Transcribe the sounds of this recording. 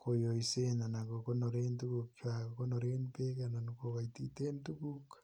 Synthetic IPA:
kʰojoisenanakokonoɾentukukt͡ʃaokonoɾenpekananokoβaititentukuk

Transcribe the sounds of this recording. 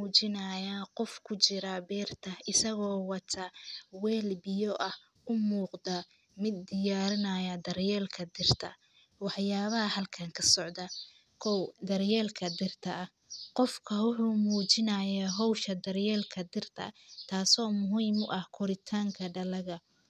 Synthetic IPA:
uːt͡ʃɪnɐjaːqɔfkʰʊt͡ʃɪɾɐbɛːrt̪ʰɐɪsɐɣɔːwɑt̪ʰɐwɛːlbɪjɔʔɐh | ʊmuːqd̪ɐ | mɪd̪ːɪjaːɾɪnɐjɐd̪ɐrjɛːlkʰɐd̪ɪrt̪ʰɐ̰ | wɑħjaːβɐɦɐhɐlkʰaŋkʰɐsɔʕd̪ɐ | kʰɔwd̪ɐrjɛːlkʰɐd̪ɪrt̪ʰɐ | qɔfkʰɐwʊħuːmuːt͡ʃɪnɐjaːɦɔwʃɐd̪ɐrjɛːlkʰɐd̪ɪrt̪ʰɐ̰t̪ʰaːsɔːmʊɦiːmʊʔɐhkʰɔɾɪt̪ʰaːŋkʰɐɖɐlɐɣɐ

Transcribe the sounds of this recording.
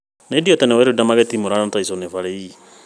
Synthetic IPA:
nediɔtɛnɛwɛɾedamaɡɛtimuɾanataisonefaɾeji

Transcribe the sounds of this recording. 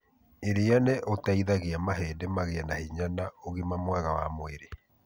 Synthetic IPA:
eɾeaneʔotaiðaɣeamaɦeːdemaɣeanahiɲanaoɣimamwaɣawamoeɾe

